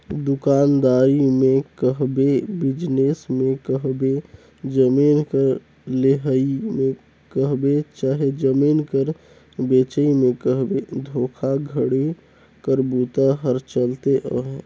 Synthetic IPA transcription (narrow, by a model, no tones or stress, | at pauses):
d̪ʊkaːnd̪aːɾimẽkəɦbebɪd͡ʒnesmẽkəɦbe | d͡ʒəmiːnkəɾ | leɦəimẽ | kəɦbet͡ʃaːɦed͡ʒəmiːnkəɾ | bet͡ʃəimẽkəɦbed̪ʱoːkʰaɡʱəɽe | kəɾbut̪aɦəɾt͡ʃəlt̪eʔəɦe